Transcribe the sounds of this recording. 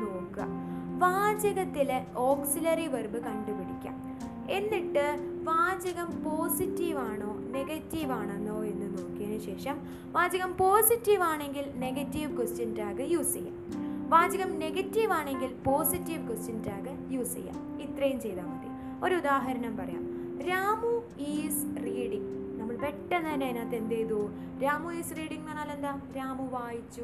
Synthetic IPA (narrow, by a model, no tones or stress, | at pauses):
noːkɨɐ̰ʋaːd͡ʑɐɣɐt̪ːileo̞ːksilɐriʋɐrbɨkɐɳɖɨpiɽikʲːa̰ːm | e̞nːiʈːɨ | ʋaːd͡ʑɐɣɐmpo̞ːsitːiʋaːɳoːne̞ɣɐtːiʋaːɳenːo̞ːe̞nːɨnoːkːijɐnɨɕe̞ːʂɐm | ʋaːd͡ʑɐɣɐmpo̞ːsitːiʋaːɳe̞ŋɡilne̞ɣɐtːiʋkostɐntaːɣɨjuːsɐ̰jːa̰ | ʋaːd͡ʑɐɣɐmne̞ɣɐtːiʋaːɳe̞ŋɡilpo̞ːsitːiʋkostɐntaːɣɨ | juːsḛjːa̰ | it̪rɐjumt͡ɕe̞jt̪aːmɐðḭ | o̞ɾuud̪aːɦɐɾɐɳɐmpɐrɐja̰ːm | ɾaːmu | iːsriːɽiŋɡ | nɐmːɐɭʋeʈːɐnːɐinːeinaːt̪ːe̞nd̪ejðuo | ɾaːmuiːsriːɽiŋɡnɐnːaːle̞nd̪aːɾaːmuʋaːjit͡ɕːu